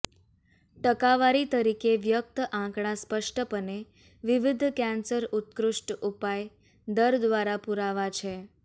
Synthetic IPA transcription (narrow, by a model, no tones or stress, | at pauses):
ʈəkaʋaɾit̪əɾikeʋjək̚t̪əʔãkɳ̃aspəʂʈəpəne | ʋɪʋɪd̪ʱkɛ̃nsəɾut̪kɾʊʂʈupaj | d̪əɾd̪ʋaɾapuɾaʋat͡ʃʰe